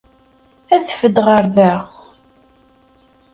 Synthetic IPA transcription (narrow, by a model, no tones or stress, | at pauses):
æθəfəd̪ʁəɾðæʁ